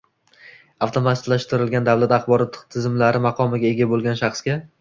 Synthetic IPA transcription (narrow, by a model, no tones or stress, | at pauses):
awt̪ʰomat̪ɪt̪laʃt̪ʰɪɾɪlɡʲand̪awlat̪ɑχbɒɾɒt̪ʰːt̪ʰːɪzɪmlaɾɪmɑqʰɒmɪɡʲae̞ɡʲabolˠɡʲanʃɑχsɡʲa